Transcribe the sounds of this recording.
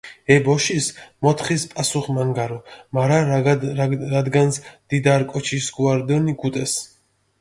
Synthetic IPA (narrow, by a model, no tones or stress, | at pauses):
ɛbɔʃismɔt̪ʰχispʼasuχmaŋɡaɾɔmaɾa | ad̪ɡant̪sʰd̪̥id̪aɾkʼɔt͡ʃʰisɡuaɾd̪ɔniɡut̪ʼɛs